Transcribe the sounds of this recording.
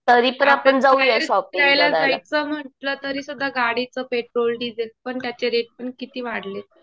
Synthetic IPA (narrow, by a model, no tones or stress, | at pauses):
t̪əɾipəɳapəɳd͡zauesɔpiajlad͡zajt͡səm̤əʈlət̪əɾiːsud̪ʱːaɡaɽit͡səpeʈɾolɖid͡zəlpəɳt̪jat͡ɕeɾeʈ̚pəɳkit̪iːʋaɽle